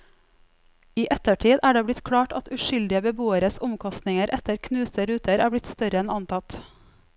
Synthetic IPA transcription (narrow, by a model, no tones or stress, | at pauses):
iːʔɛt̪əʈʰiːd̪ʔæːɖeːblɪt̪kʰɽɑːʈɑ̰t̪ʉʃʏld̪ɪəbəbuːəɾəsʊmkʰɔst̪nɪŋəɾʔɛt̪əɾkʰnʉːsəɾʉːt̪əɾæːbɽɪt̪st̪œɾəɛnɑnt̪ʰɑt̪